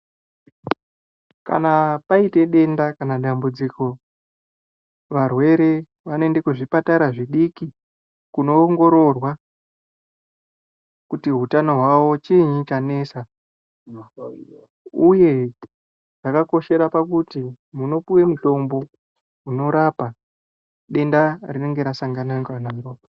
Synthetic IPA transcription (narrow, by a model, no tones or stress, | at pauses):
ka̰napaite̞ɗe̞ndakanaɗambud͡ziko̞ | ʋarwe̞ɾe̞ | ʋanoende̞kuʐipataɾaʐiɗiki | kuno̞ːŋɡo̞ɾo̞rwa | kutiɦutano̞ɦwawo̞t͡ʃiɲit͡ʃane̞ːsa | uje̞ | ʐ̥akako̞ʃe̞ɾapakuti | muno̞puwe̞muto̞mbo̞ | uno̞ɾapa | ɗe̞ndarine̞ŋɡe̞ɾasaŋɡanaŋɡanaɾo